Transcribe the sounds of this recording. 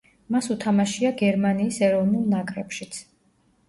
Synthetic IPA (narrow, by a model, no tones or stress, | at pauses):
masut̪ʰamaʃiaɡɛɾmaniːsɛɾɔvnulˠnakʼɾɛpʃit̪sʰ